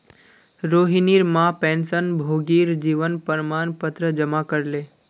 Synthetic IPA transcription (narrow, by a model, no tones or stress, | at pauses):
ɾoːɦiniɾmãpɛ̃nsənbʱoːɡiɾd͡ʒiːʋənpəɾmaːnpət̪ɾəd͡ʒəmakəɾle